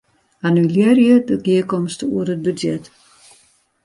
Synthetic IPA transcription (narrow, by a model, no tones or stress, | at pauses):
anylirjədəɡiəkɔmstəṵərət̚bədjɛt